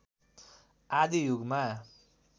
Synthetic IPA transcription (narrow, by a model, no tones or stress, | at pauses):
ad̪ijuɡma